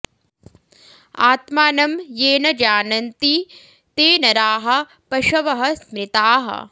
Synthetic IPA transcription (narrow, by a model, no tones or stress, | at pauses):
a̰ːt̪maːnɐmjeːnɐd͡ʒaːnɐnt̪i | t̪eːnɐɾaːɦɐ̆ | pɐʃɐʋɐɦɐsmɾɪt̪aːɦɐ̰